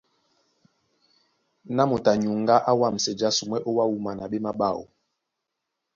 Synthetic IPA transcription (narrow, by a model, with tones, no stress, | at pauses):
na˦mo˨ta˨ɲu˨ŋ˦ɡa˦ʔa˦wa˦˨m̩˨sɛ˨d͡ʒa˦su˨m˦ɛ˦ʔo˦wa˦wu˦ma˨na˨ɓe˦ma˦ɓa˦˨o̰˨